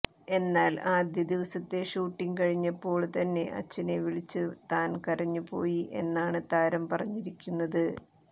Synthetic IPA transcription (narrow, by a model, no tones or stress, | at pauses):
e̞nːaːlaːd̪jɐd̪iʋɐsɐt̪ːe̞ʂuːʈːiŋɡkɐɻiɲːɐpːo̞ːɭt̪ɐnːe̞̰ʔɐ̰t͡ɕːineʋiɭit͡ɕːɨt̪aːnkɐɾɐɲːupo̞ːjiʔe̞̰nːaːɳɨt̪aːɾɐmpɐrɐɲːiɾikʲːunːɐðɨ